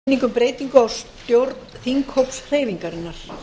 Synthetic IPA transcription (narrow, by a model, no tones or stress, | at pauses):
niŋkʏmpɾeːjt̪iŋkʏawst̪jowɾt̪nnθiŋkhowpsr̥eːjviŋkaɾɪnːaɾ̥